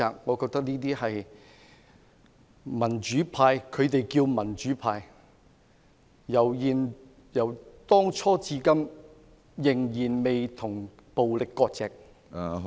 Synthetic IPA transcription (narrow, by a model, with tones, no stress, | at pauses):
aː˨ŋɔː˨˧kɔː˧k̚t̪ɐ˥k̚niː˥t̪iː˥hɐ˨j | mɐ˨˩nt͡ʃyː˨˥pʰaː˧jkʰɵ˨˧t̪e˨jkiː˧wmɐ˨˩nt͡ʃyː˨˥pʰaː˧j | jɐ˨˩wjiː˨n | jɐ˨˩wt̪ɔː˥ŋt͡ʃʰɔː˥t͡siː˧kɐ˥m | jɪ˨˩ŋjiː˨˩nme˨jt̪ʰʊ˨˩ŋ | po˨wlɪ˨kːɔː˧k̚t͡sɛː˨k̚ː